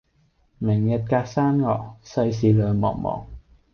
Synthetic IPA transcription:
mɪ˨˩ŋjɐ˧t̚kaː˧k̚saː˥nŋɔ̰ː˨˩sɐ˧js̬iː˨˧lœː˨˧ŋmɔ̰ː˨˩ŋmɔ̰ː˨˩ŋ

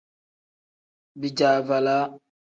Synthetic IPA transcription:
bi˨d͡ʒaː˨va˨la˦

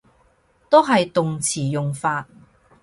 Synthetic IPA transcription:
t̪o˥wɦɐ˨jt̪ʊ˨ŋt͡sʰiː˨˩jʊ˨ŋfaː˧t̚

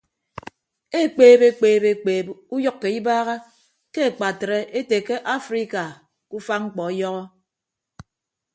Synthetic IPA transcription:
e˦˨k͡peː˦be˦k͡peː˨be˨k͡peː˨bu˦jɔ˦kːe˨i˦baː˦ɣa˦ | ke˦e˨k͡pa˨tɾe˦ʔe˦te˨ke˦ʔa˦fɾi˦ka˨ | ku˦fa˦ŋŋ͡m̩˦k͡pɔ˨e˦jɔ˦ɣɔ˦

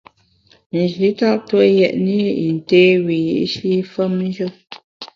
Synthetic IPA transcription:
n̩˨d͡ʒi˨˦ta˦ʔtwo˦jɛ˨ʔni˦i˨n̩˨te˦wi˨jḭ˦ʔʃi˦fə˦m̩˦d͡ʒə˦

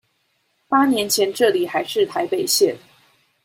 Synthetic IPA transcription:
pa˥njɛ˧˥nt͡ɕʰjɛ˧˥nʈ͡ʂɤ˥˩li˨˩xa˧˥ɪʂɻ̩˥˩t̪ʰa˧˥ɪpe˨˩ɪɕjɛ˥˩n

